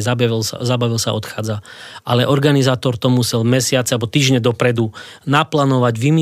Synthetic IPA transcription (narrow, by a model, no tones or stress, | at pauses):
zabilsa̰zabaʋilsa̰ɔt̪xaːd͡zaʔalɛʔɔɾɡanizaːt̪ɔɾt̪ɔmusɛlmɛsɪat͡sɛalbɔt̪iːʒɲɛd̪ɔpɾɛd̪unaplaːnɔʋaɟʋimi